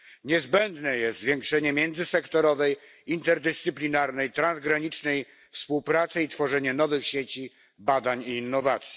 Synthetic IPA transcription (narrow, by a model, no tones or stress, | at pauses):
ɲɛzbɛnd̪nɛjɛst̪zvʲjɛŋkʂɛɲɛmʲjɛnd̪zɘsɛkt̪ɔɾɔvɛj | int̪ɛɾd̪ɛst̪sɘplʲinaɾnɛjt̪ɾanzɡɾaɲit͡ʂnɛj | fspuwpɾat̪sɘit̪fɔʐɛɲɛnɔvɘxɕet͡ɕi | bad̪aɲiːnːɔvat̪sʲji̥